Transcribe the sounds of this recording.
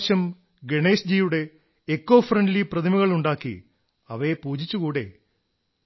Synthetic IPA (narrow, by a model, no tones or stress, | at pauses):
ɕɐm | ɡeɳe̞ːsd͡ʑijuɽe̞ː | kːo̞ːfrɐɳɖliprɐd̪imɐɣɐɭuɳɖaːkːḭ | ɐʋepuːd͡ʑit͡ɕːukuːɽe̞̰